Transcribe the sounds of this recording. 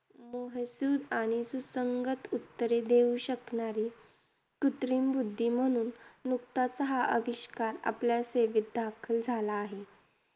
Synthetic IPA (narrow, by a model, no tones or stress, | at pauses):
moɦəsud̪aɽ̃isusəŋɡət̪ut̪ːəɾed̪euɕəknaɾiː | kut̪ɾiːmbud̪ʱːim̤əɽ̃uːnːuk̚t̪at͡səɦaʔəʋiɕkaɾa̰pljaseʋit̪̚d̪ʱakʰəld͡zʱalaːɦe